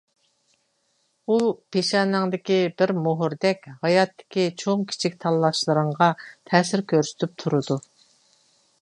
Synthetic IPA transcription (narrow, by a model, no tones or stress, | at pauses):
upʰeʃɑnɨŋd̪ɪkʲibɪɾmoɦʊɾd̪ɛkʲhɑjɑt̪ʰːɪ̥kʲit͡ʃʰoŋkʲʰi̥t͡ʃʰik̚ʲt̪ʰɑlˠːɑʃlˠəɾəɴʁɑt̪ʰɛːsɪɾkʲʰøɾsy̥t̪ʰyp̚t̪ʰuɾɨd̪u